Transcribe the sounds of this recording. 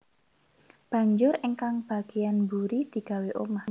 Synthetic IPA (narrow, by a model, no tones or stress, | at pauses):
b̥a̤ɲd͡ʒʊɾiŋkaŋb̥a̤ɡ̥ejanbuɾid̪̥i̤ɡ̥a̤weʔomah